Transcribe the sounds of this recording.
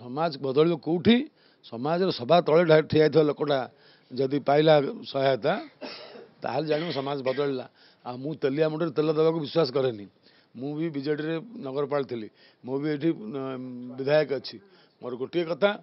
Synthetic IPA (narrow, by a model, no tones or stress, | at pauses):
sɔmad͡ʒbɔd̪ɔɭibɔkuwʈʰi | sɔmad͡ʒɔɾɔsɔbʱat̪ɔɭeʈʈʰiajt̪ʰialɔkoʈa | d͡ʒɔd̪ipailasɔɦat̪a | t̪a̰ɦaled͡ʒaɽ̃imɔ̃sɔmad͡ʒbɔd̪ɔɭila̰ | amũt̪əlijamuʈɔɾet̪ɔlɔd̪ɔbakubiswas̬ɔkɔɾeni | mũbibid͡ʒeʈɔɾenɔɡɔɾɔpaɭt̪ʰili | mõbieʈʰi | bid̪ʱajɔkɔt͡ʃʰi | moɾɔɡoʈiekɔt̪ʰa